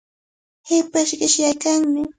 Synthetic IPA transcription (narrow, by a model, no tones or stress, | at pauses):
hɪpaʃɢɪʃjajkaŋmɪ